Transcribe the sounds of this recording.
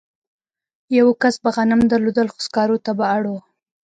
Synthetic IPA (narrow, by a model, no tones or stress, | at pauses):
jawkasbaɣanamd̪aɾlod̪əlxʊ̥skɑɾot̪abaːɽo